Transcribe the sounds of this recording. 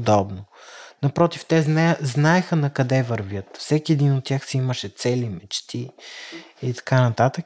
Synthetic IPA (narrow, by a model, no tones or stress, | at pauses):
d̪ɔbnonɐpɾɔt̪ift̪ɛznznaɛxənɐkɐd̪ɛvɐɾvʲjɤt̪fsɛkiɛd̪inot̪ːʲjaxsiiməʃɛt̪sɛlimɛt͡ʃt̪ʰi | it̪ɐ̥kanɐt̪at̪ək